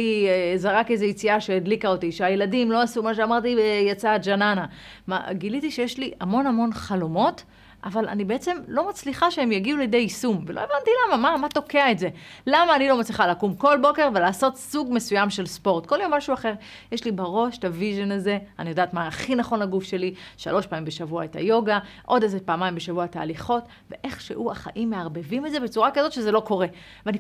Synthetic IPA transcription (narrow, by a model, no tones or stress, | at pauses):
izaʁake̞jzejit͡siaʃeːdlikaot̪iʃeajeladimlo̞asumaʃeamaʁtijat͡saːtd͡ʒanana | ma̰ɡilit̪iʃe̞jeʃliamo̞namo̞nχalo̞mo̞t | a̰vala̰nibeet͡se̞mlo̞mat͡sliχaʃeemjaɡiulejd̪ejisumvelo̞evant̪ilamamamat̪o̞ke̞aetze̞lamaːnilo̞mat͡sliχaleakumko̞lbo̞ke̞ʁve̞laːso̞tsuɡmesujamʃe̞lspo̞ʁtko̞ljo̞mːaʃuaχe̞ʁ | jeʃlibaʁo̞ʃtaviʒonaze̞anijo̞daːtmaːχinaχo̞nlaɡufʃe̞liʃa̰lo̞ʃpaːmimbeʃavuaeta̰jo̞ɡaʔo̞dezepaːmaimbeʃavuata̰ːliχo̞t | ve̞̰ʔe̞χʃḛʔuaχa̰ʔimːeaʁbe̞vimetzebet͡suʁakazo̞t̪ʃe̞zelo̞ko̞ʁe̞ | veani